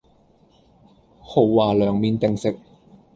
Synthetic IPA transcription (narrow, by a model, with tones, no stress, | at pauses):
ho˨˩wːaː˨˩lœː˨˩ŋmiː˨˧nt̪ɪ˨ŋsɪ˨k̚